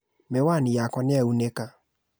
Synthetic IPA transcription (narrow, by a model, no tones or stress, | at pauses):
mewanijakɔnɪɛuneka